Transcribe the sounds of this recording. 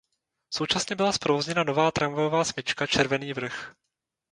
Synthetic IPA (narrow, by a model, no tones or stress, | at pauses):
so̞wt͡ʃasɲɛbɪlaspɾovozɲɛnano̞vaːt̪ɾʔaɱvajovaːsmɪt͡ʃkat͡ʃɛɾvɛniːvr̩x